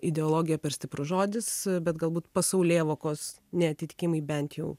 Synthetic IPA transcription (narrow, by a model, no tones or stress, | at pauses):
ɪd̪ʲɛoːlˠoːɡʲɪjɛpʲɛɾsʲt̪ʲɪpɾʊʒoːd̪ʲɪsbʲɛt̪ɡɐlˠbuːt̪pɐsɐʊlʲeːʋoːkoːs | nʲɛɐt̪ʲɪt̪ʲɪ̥kʲɪmɐɪbʲɛnʲt̪ʲjɛʊ